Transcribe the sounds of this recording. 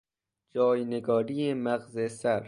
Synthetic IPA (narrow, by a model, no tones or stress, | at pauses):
d͡ʒɒːjneɡɒːɾijemæɣzesæɾ